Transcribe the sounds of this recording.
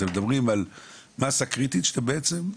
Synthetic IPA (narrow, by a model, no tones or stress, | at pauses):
emed̪abʁimalmasakʁit̪it̪ʃe̥t̪ambeet͡sem